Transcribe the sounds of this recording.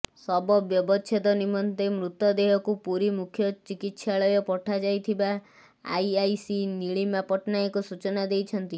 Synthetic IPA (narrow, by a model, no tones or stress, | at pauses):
sɔbɔbjɔbɔt͡ʃʰet̪ɔnimɔnt̪emɾut̪ːɔd̪eɦɔkupuɾimukʰjɔt͡ʃikit̪saɭɔjɔpɔʈʰad͡ʒajt̪ʰiba̰ː | jajsiniɭimapɔʈnaekɔsut͡ʃɔnad̪ejt͡ʃʰɔnt̪i